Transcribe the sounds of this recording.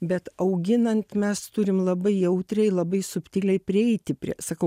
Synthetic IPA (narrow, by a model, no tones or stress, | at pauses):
bʲɛt̪ɐʊɡʲɪnɐnt̪mʲɛst̪ʊɾʲɪmlˠɐbɐɪjɛʊt̪ʲɾʲɛɪlˠɐbɐɪsʊpʲt̪ʲiːlʲɛɪpʲɾʲɪɛɪt̪ʲɪpʲɾʲḭɛsɐkɐʊ